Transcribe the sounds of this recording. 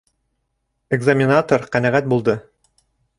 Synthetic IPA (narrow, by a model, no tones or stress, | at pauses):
eɡzamʲɪnat̪oɾqænæʁæt̪̚bulˠd̪ɤ